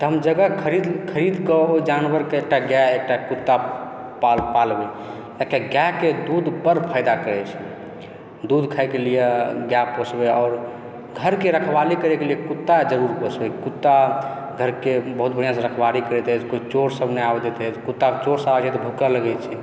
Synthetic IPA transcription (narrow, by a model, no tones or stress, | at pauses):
t̪ɔɦəmd͡ʒəɡəkʰəɾid̪kʰəɾid̪kɔoid͡ʒanʋəɾkeek̚ʈaɡjaek̚ʈakut̪ːa | apalbe | ekeɡjaked̪ud̪pəɾpʰaɪd̪akəɾɛt͡ʃʰɛ | d̪ud̪kʰaɛkelijeɡjaposbeɔːɾ | ɡʱəɾkeɾəkʰbalikəɾekelijekut̪ːad͡ʒəɾuɾbəsbɛkut̪ːa | ɡʱəɾkebəɦut̪̚bəɽijãsə̃ɾəkʰbalikəɾɛt̪ɛkoit͡ʃoɾsəbʱneabd̪et̪ɛt̪kut̪ːakt͡ʃoɾsabt͡ʃʰɛt̪ɔbʱukələɡɛt͡ʃʰɛ